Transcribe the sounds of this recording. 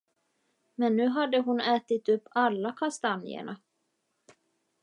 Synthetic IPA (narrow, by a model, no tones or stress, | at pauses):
mɛnːʉ̟ːɦad̪ːəɦʊnɛːt̪ɪt̪ɵpːalːakʰast̪anɪ̰ə̰ɳa